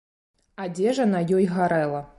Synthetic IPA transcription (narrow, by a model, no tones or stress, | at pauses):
adʲeʐɐnajɔjɣaɾɛlˠɐ